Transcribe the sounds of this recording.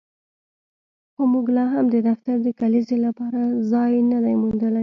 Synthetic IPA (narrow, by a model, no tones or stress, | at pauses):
xomuɡlɑɦamd̪əd̪aft̪aɾd̪əkalizelapɑɾazɑjnad̪ajmund̪əlaj